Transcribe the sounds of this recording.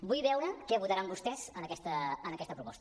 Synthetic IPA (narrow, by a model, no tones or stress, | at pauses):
bujβɛwɾəkɛəβuðəɾambust̪ɛzənəkɛst̪əːnəkɛst̪əpɾupɔst̪ə